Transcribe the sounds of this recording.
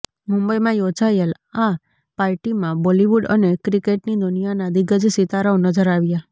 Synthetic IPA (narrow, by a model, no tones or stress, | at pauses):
mũmbəjmãjod͡ʒajəl | a | paɾʈimãbɔliʋuɖə̰nekɾikeʈnid̪unijanad̪iɡəd͡ʒsit̪aɾəonəd͡ʒəɾaʋja